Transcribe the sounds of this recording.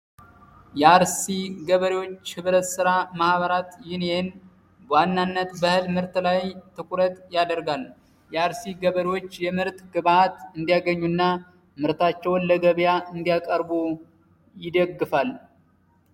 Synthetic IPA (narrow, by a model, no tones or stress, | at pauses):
jɛaɾsiɡəβəɾiwo̞t͡ʃːhɨβɾət̪sɨɾamahβəɾat̪jɪnen | bəwanːanːət̪bəhɨlmɨɾt̪lajt̪ʰɨkʼuɾət̪ʼjad̪əɾɡal | jɛaɾsiɡəβəɾiwo̞t͡ʃːjɛmɨɾt̪ɡɨβaat̪ɨnd̪ijaɡəɲːunːa | mɨɾt̪at͡ʃːɛwnləɡəβjaɨnd̪ijakʼəɾbu | jɪd̪əɡːɨfal